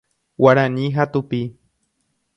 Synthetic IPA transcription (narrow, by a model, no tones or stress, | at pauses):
waɾanĩɦat̪upi